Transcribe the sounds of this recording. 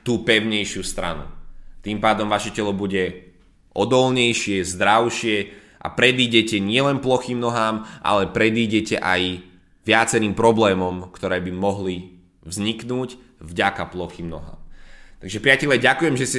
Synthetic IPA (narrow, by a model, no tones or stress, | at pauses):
t̪uːpɛʊɲɛjʃɪuːst̪ɾa̰nṵt̪iːmpaːd̪ɔmʋaʃɛcɛlɔbuɟɛ | ʔɔd̪ɔlɲɛjʃɪɛzd̪ɾaʊʃɪɛ | ʔa̰pɾɛd̪iːɟɛcɛɲɪɛlɛnplɔxiːmnɔɦaːmʔa̰lɛpɾɛd̪iːɟɛcɛ̰ʔaj | ʋɪat͡sɛɾiːmpɾɔblɛːmɔmkt̪ɔɾɛːbimɔɦli | vzɲiknuːc | vɟakaplɔxiːmnɔ̰ɦa̰ːmt̪aɡʒɛpɾɪacɛʎaɟakujɛmʒɛscɛ